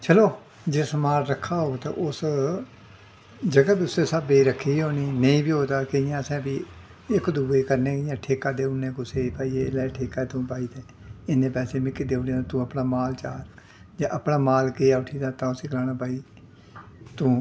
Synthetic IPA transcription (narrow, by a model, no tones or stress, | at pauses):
t͡ʃʰəloː | d͡ʒeːsəmaːɾɾəkʰːaːɦoːɡet̪ã̰ːʔʊs | d͡ʒəɡaːbiːʊseːsabeːɾəkʰːiːioːniːnẽĩːbiːɦoːd̪aːkəɪjãːəsɛ̃ːbiː | ɪkd̪uːeːkəɾnẽːkəjãːʈʰeːkaːd̪eːʊnẽːkʊseːpaːiːeːlaːʈʰeːkaːt̪ũːpaːiːt̪eː | ɪnẽːpɛːseːmɪkid̪eːoːniãːãt̪ũːəpɽaːmaːlt͡ʃaːɾ | d͡ʒãːʔəpɽaːmaːlkeːaːʊʈʰiːd̪aːt̪ãːʊsiːkəlaːnaːpaːiː | t̪ũː